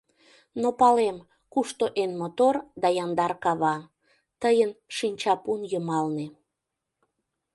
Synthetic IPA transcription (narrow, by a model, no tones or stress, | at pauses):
nopɑlem | kuʃt̪oʔenmot̪ord̪ɑjɑnd̪ɑrkɑβɑ | t̪əjənʃinʲt͡ɕɑpunjəmɑlne